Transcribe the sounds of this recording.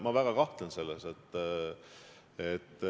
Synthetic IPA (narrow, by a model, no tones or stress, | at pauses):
mɑvæɡ̥ɑkɑht̪enselːeset̪ː | et̪ː